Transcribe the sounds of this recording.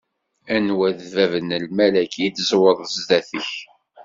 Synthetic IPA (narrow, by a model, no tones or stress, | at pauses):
ænwæðvævənəlmælækʰid̪zwəɾˤəzd̪æθəç